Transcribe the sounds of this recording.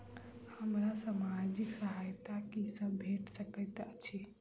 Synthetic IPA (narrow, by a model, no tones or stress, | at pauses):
həmɾasamad͡ʒiksəɦajt̪akisəbbʱeʈsəkət̪at͡ʃʰi